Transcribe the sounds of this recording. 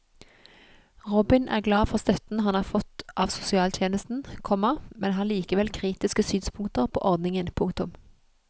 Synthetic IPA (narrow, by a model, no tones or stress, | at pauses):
ʁɔbɪnʔæ̰ːʁɡlɑːfɔʁst̪œt̪n̩hɑnhɑːʁfɔt̪ʔɑːʋsʊ̥sɪɑːlt̪ʰjeːnəst̪n̩kʰɔməmɛnɦɑːliːkəʋɛlkʰʁiːt̪ɪskəsyːnspʰʊŋt̪əʁpʰo̰ːʔɔʁd̪nɪŋənpʰʊŋk̚t̪ʊm